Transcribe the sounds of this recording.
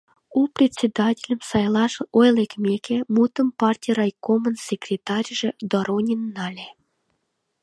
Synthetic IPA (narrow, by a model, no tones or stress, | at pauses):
uprʲet͡sʲːed̪ɑtʲelʲəmsɑjlˠɑʃojlˠekmʲekʲemut̪ə̆mpɑrtʲijrɑjkomənsʲekrʲet̪ɑrʲʒĕd̪oɾonʲinːɑlʲe